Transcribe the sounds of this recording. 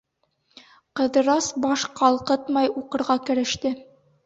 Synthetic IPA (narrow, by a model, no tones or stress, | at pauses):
qɤ̆ðɤ̆ɾɑsbɒʃqɑlˠqɤt̪mɑjuqɤ̆ɾʁɑkɘ̆ɾɘ̆ʃt̪ɘ